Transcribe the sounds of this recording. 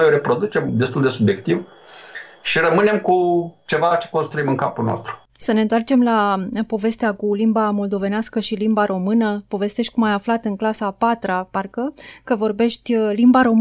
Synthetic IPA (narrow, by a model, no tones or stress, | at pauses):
ojoɾe̞pɾo̞d̪ut͡ʃe̞md̪e̞st̪uld̪e̞subje̞kt̪iv | ʃirəmɨne̞mkut͡ʃe̞vat͡ʃeko̞nst̪ɾuimɨŋka̰pulnoo̰st̪ɾu̥ | səne̞nt̪oart͡ʃe̞mlapo̞ve̞st̪eakulimbamo̞ld̪o̞ve̞neaskəʃilimbaɾo̞mɨnəpo̞ve̞st̪e̞ʃt̪̚ʲkumajaflat̪ɨŋklasapat̪ɾaparkəkəvo̞rbe̞ʃt̪ʲlimbaɾo̞m